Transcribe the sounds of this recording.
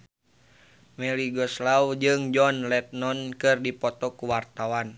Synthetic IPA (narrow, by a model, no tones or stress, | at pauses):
mɛliɡɔslawd͡ʒɨŋd͡ʒɔnlɛt̪̚nɔnkɨrdipɔt̪ɔkuwart̪awan